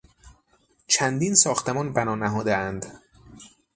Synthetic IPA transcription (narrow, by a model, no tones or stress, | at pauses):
t͡ʃʰænd̪iːnsɒːxt̪emɒːnbænɒːnæɦɒːd̪eænd̪